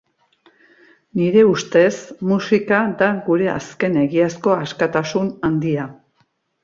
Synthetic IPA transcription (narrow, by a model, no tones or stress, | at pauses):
niɾe̞ust̪e̞smusikaðaɡuɾe̞a̰ske̞ne̞ɣiasko̞askat̪asunand̪ia